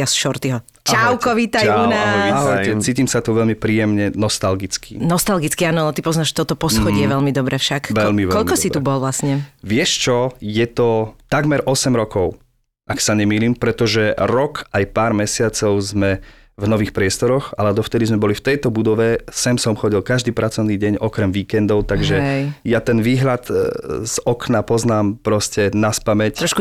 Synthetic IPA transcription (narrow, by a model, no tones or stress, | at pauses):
asʃɔɾt̪iɦɔ | cawkɔʋit̪ajanaɦɛt͡siːcimsat̪uʋɛʎmipɾiːjɛmɲɛnɔst̪alɡit͡skḭnɔst̪alɡit͡skiaːnɔalɛt̪ipɔznaːʃt̪ɔt̪ɔpɔsxɔɟɪɛʋɛʎmid̪ɔbɾɛfʃakʋɛʎmiʋɛkɔʎikɔsitɾubɔlʋlasɲɛʋɪɛʃt͡ʃɔjɛt̪ɔt̪aɡmɛɾʔɔsɛmɾɔkɔʊ | ʔaksaɲɛmiːliːmpɾɛt̪ɔʒɛɾɔkajpaːɾmɛsɪat͡sɔʊzmɛ | vnɔʋiːxpɾɪɛst̪ɔɾɔxalɛd̪ɔft̪ɛd̪izmɛbɔlift̪ɛjt̪ɔbud̪ɔʋɛsɛmsɔmxɔɟilˠkaʒd̪iːpɾʔat͡sɔʊniːɟɛɲɔkɾɛmʋiːkɛnd̪ɔʊt̪aɡʒɛjat̪ɛnʋiːɦlat̪z̥ɔknapɔznaːmpɾɔscɛnaspamɛc̪ɾɔʃku